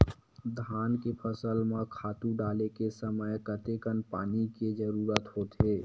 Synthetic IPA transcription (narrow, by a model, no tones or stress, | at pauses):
d̪ʱaːnkepʰəsəlmãkʰaːt̪ũɖaːlekesəməjkət̪ekənpa̰ːniked͡ʒəɾuːɾət̪ɦoːt̪ɦeː